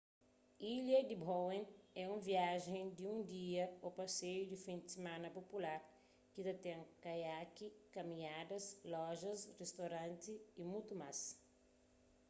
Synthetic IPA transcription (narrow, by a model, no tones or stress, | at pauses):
iʎɐd̪ibowẽnɛũviaʒẽŋd̪iũnd̪iɐopɐsejud̪ifĩnd̪ɪsemãnɐpopulaɾ | kit̪ɐt̪ɛ̃ŋkajakikɐmĩɲad̪ɐslɔʒɐsrest̪oɾãnt̪iːmut̪umas